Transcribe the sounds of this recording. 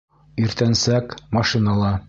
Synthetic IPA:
iɾt̪ænsækmɑʃinɑlˠɑ

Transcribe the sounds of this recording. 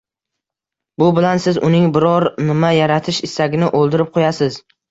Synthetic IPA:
bʊbɪlansɪzʊ̰nɪŋbɪɾɒɾnɪmajaɾat̪ʰɪʃɪsaɡʲɪnɪʔolˠd̪ɪɾɪp̚qʰojasɪz

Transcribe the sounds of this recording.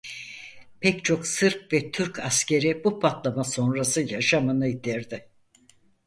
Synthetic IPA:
pʰɛct͡ʃʰo̞ksɯɾpvɛt̪ʰyɾkʰascʰe̞ɾibupʰat̪lˠamaso̞nɾasɯjaʃamɯnɯid̪iɾd̪ɪ

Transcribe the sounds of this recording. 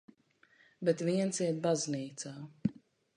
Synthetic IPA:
bɛt̪viɛnsiɛt̪̚bazniːt̪saː

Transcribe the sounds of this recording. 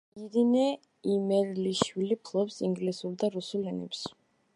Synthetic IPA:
iɾinɛ | imɛɾliʃwilipʰlˠɔpsiŋɡlisuɾd̪aɾusulɛnɛ̰ps

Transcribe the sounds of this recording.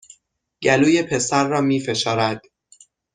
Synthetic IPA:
ɟ̥æluːje̞pʰe̞sæɾːɒːmiːfe̞ʃɒːɾæd̪̥

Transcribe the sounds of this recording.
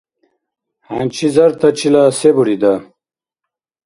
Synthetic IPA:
hant͡ɕʰizɐɾt̪ɐt͡ɕilasebuɽid̪a

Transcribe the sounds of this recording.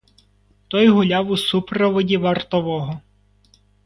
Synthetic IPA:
t̪ɔjɦʊlʲɑwusupɾɔʋɔdʲiʋɐrt̪ɔʋɔɦɔ

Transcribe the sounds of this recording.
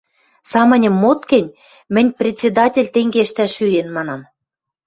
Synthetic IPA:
sɑmə̆nʲə̆mːot̪kɘ̆nʲ | mɘ̆nʲprʲetʲt͡sʲːed̪ɑtʲelʲt̪eŋɡeʃt̪æʃyenmɑnɑm

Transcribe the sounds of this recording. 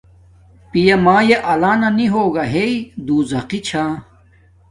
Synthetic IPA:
pijɐmaːjeʔɐlaːnɐniɦoːɡɐɦeid̪uːzɐqit͡ɕʰa

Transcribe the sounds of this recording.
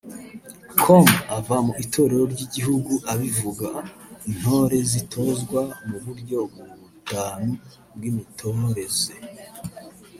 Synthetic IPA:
kʰomavamuʔitʰo̞ɾe̞ɾo̞ɾɟiɟiɦuɡuʔaβivuɡan̥ho̞ːɾe̞zitʰo̞zɡwamuβuɾɟo̞bɡuutaːnu | b̚ɡimitʰo̞ɾe̞ze

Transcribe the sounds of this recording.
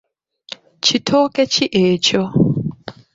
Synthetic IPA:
t͡ʃʰitʰɔket͡ʃiʔeːt͡ʃɔ

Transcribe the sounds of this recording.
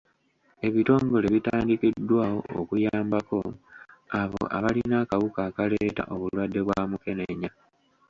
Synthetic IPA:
e̞βito̞ːŋɡo̞le̞βitaːndikidːwaːho̞̰o̰kujaːmbako̞ | aβo̰ʔa̰βalinakawukaːkale̞ːta̰ʔo̞βulwadːe̞βwaːmuke̞ne̞ɲa

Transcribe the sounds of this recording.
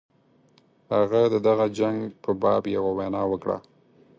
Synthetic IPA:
haɣad̪əd̪aɣad͡ʒaŋɡpəbɑbjawawanɑwəkɽa̰

